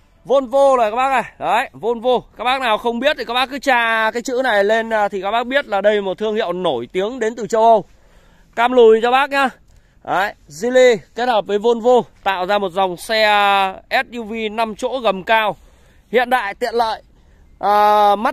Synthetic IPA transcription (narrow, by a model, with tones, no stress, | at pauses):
vo˧nvo˧lo˨jkaː˦˥ɓaː˦˥k̚na˨˩jɗə˨˦jvo˧nvo˧kaː˦˥k̚ɓaː˦˥k̚naː˨˩wxə˧wŋ͡mɓi˦˥ət̪ʰi˨˩kaː˦˥ɓaː˦˥kɨ˨˦t͡ɕaː˧˩kaː˨˦jt͡ɕɨ̰˧˥na˨˩jle˧nː˨˩t̪i˨˩kaː˦˥k̚ɓaː˦˥k̚ɓi˦˥ət̚laː˨˩ɗə˧jmo˨˩t̪̚ʰɨ˧əŋhḭ˧˨əwno˧˩jt̪i˨˦əŋɗe˨˦nt̪ɨ˨˩t͡ɕə˧wʔə˧w | kaː˧mlu˨˩jt͡ɕɔ˧ɓaː˦˥k̚ɲaː˧ | ʔaː˨˦jzi˧li˧ke˦˥t̚həː˨˩p̚vəː˨˦jvo˧nvo˧t̪a̰ː˧˨wzaː˧mo˨˩t̚za˨˩wŋ͡msɛ˧ʔɛ˦˥t̚ɲu˧vi˧na˧mt͡ɕo̰˧˥ɣə˨˩mkaː˧w | hḭ˧˨ənɗa̰ː˧˨jt̪ḭ˧˨ənlə̰ː˧˨j | ʔəː˨˩ma˦˥t̚